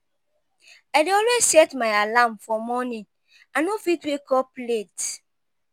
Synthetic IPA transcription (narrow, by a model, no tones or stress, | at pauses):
adeɔlwesɛtmaɪalamfɔmɔnĩn | anofitwekɔplet